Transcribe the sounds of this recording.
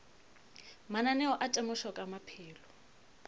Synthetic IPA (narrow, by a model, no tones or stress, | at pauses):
mananɛɔʔatʼɛmʊʃɔkʼamapʰɪːlɔ